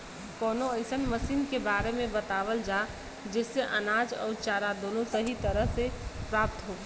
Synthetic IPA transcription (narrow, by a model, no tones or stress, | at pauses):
kɔːnoəɪsənməsiːnkebaːɾemẽbət̪aːʋəld͡ʒa | d͡ʒeːseʔə̰naːd͡ʒɔ̰ːɾt͡ʃaːɾad̪oːnosəɦit̪əɾəɦsepɾaːp̚t̪ɦoɡa